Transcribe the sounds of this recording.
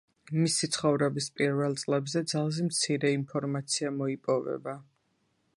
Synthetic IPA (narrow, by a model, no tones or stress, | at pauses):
misit̪sʰχɔvɾɛbispʼiɾvɛlˠt̪sʼlɛbzɛd̪zalˠzɛmt̪sʰiɾɛinpʰɔɾmat̪sʰiamɔipʼɔvɛ̰ba